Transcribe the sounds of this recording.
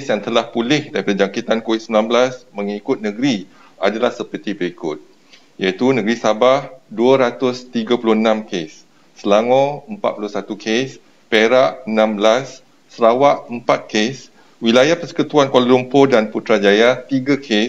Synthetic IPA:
ksjaŋt̪əlahpulɪhdaɾipadad͡ʒaŋkit̪ankowit̪̚səmlanbəlasmə̃ŋikʊt̪̚nə̃ɡɾi | adalahsəpərt̪ibəɾikʊt̪̚ | jait̪unə̃ɡɾisabahduəɾat̪ʊst̪iɡapulʊhənãmkesː | əlaŋɔ̃əmpa̰t̪̚pulʊhsat̪ukʰes | peɾaʔənãmbəlasː | əɾawaʔəmpat̪̚kes | wilajahpəsə̥kut̪uankwaləlumpodanput̪ɾad͡ʒajat̪iɡakʰe

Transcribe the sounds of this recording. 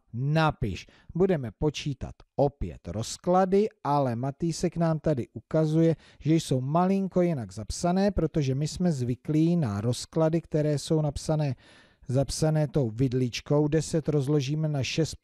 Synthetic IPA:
napɪ̰ʃ | budɛmɛpo̞t͡ʃiːt̪a̰t̪ʔo̞pjɛ̰t̪ɾo̞skladɪʔalɛmat̪iːsɛknaːmt̪adɪʔukazujɛ | ʒ̥ɛjso̞wmalɪŋko̞jɪnaɡzapsanɛːpɾo̞t̪o̞ʒɛmɪsmɛzvɪkliːnaɾo̞skladɪkt̪ɛɾɛːso̞wnapsanɛː | zapsanɛːt̪o̞wvɪdlɪt͡ʃko̞wdɛsɛt̪ɾo̞zlo̞ʒiːmɛnaʃɛst̪̚

